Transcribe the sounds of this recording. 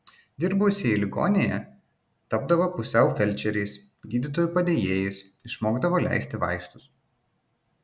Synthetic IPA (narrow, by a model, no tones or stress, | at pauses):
d̪ʲɪɾbʊsʲeilʲɪɡo̰ːnʲejɛ | t̪ɐbd̪ɐʋopʊsʲɛʊfʲɛlʲˑt͡ʃʲɛɾʲɛɪs | ɡʲiːd̪ʲɪt̪oːjuˑpɐd̪ʲeːjeːjɪs | ɪʃmoːɡd̪ɐʋoːlʲæ̰ɪsʲt̪ʲɪʋɑ̰ˑɪst̪ʊs